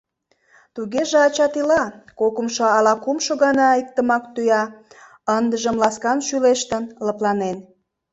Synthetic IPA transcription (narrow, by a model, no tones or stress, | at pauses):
t̪uɣeʒeɑt͡ɕɑt̪ilɑkokəmʃoɑlɑkumʃoɣɑnɑik̚t̪əmɑkt̪yjɑ | ənd̪əʒəmlɑskɑnʃyleʃt̪ənləplɑnen